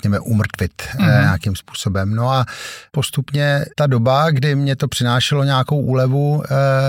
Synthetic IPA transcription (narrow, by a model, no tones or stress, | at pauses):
kɲɛmɛʔumr̩t̪vɪt̪ɲaakimspu̥ːso̞bɛmno̞apo̞st̪upɲɛt̪ado̞baɡdɪmɲɛt̪o̞pr̝̥ɪnaːʃɛlo̞ɲaako̞wʔuːlɛvu